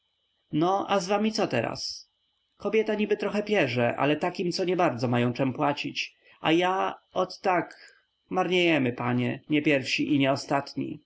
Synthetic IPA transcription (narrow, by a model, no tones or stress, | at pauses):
nɔʔazvamʲit̪sɔt̪ɛɾa̰s | kɔbʲjɛt̪aɲibɘt̪ɾɔxɛpʲjɛʐɛʔa̰lɛt̪akʲimt̪sɔɲɛbaɾd̪zɔmajɔ̃w̃t͡ʂɛmpwat͡ɕit͡ɕ | a̰jaɔt̪ːak | maɾɲejɛmɘpaɲɛɲɛpʲjɛɾfɕiʔiɲɛɔst̪at̪ɲḭ